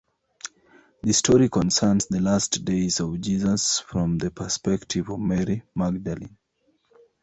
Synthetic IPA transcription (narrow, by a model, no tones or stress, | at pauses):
ðəstʰɔɹikɔ̃nsɛ˞nzðəlastdeɪzɔvd͡ʒizəsfɹɔ̃mðəpʰə˞spɛktʰivɔvmɛɹimaɡ̚dalḭ̃n